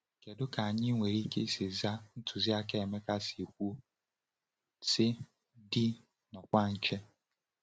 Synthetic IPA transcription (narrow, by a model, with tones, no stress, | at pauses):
ke˨dʊ˦ka˨a˨ɲɪ˦ŋʷe˨ɾi˦ke˦sɪ˨za˦n̩˦tʊ˨zi˦a˦ke˦˨me˦ka˦si˨kʷu˦ | sɪ˦ | di˦ | nɔ˨kʷa˦n̩˦t͡ʃe˦